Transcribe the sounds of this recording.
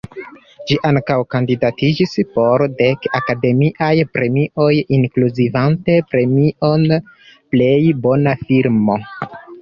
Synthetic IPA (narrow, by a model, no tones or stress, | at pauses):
d͡ʒiʔaŋkawkandidatid͡ʒispo̞ɾde̞kakade̞miʔajpɾe̞miʔo̞jiŋkluzivante̞pɾe̞miʔo̞nple̞jbo̞nafiɾmo̞